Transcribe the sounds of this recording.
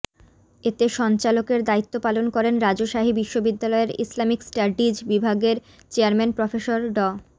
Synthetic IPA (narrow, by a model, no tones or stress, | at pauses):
et̪eʃɔnt͡ɕalokeɾd̪ait̪ːopalonkɔɾenɾad͡ʑoʃaɦibiʃːobid̪ːalɔeɾislamiksʈaɖid͡ʑbibʱaɡeɾ | t͡ɕeaɾmenpɾofeʃoɾɖɔ